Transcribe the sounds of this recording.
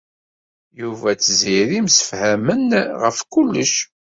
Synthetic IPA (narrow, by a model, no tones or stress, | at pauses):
juvæt͡sːəziɾimsə̥fhæmənʁəfkulːəʃ